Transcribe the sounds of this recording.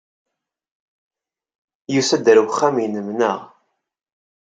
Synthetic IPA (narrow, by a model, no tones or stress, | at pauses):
jusæd̪əɾwχːæminəmnəʁ